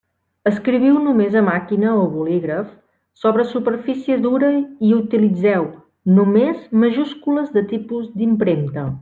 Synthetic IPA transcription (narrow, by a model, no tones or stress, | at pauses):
əskɾiβ̞iwnumezəmakinəoβuliɣɾəf | soβɾəsupəɾfisiəðuɾəiut̪ilid͡zɛw | numezməʒuskuləzðət̪ipuzd̪impɾemt̪ə